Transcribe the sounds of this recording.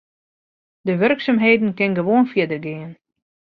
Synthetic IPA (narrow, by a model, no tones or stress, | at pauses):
dəʋørksamɦeːdən̩kɪnɡəʋoːənfjɪdərɡɪən